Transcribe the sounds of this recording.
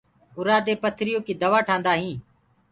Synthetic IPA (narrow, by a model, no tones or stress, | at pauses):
ʊɾaːd̪eːpət̪ʰɾɪjoːkiːd̪əʋaːʈʰãːnd̪aːɦĩː